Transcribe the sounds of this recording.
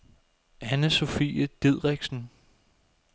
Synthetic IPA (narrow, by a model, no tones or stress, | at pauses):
ʔænəso̝fḭːəd̥e̝ð̰ˠʁeɡ̥sn̩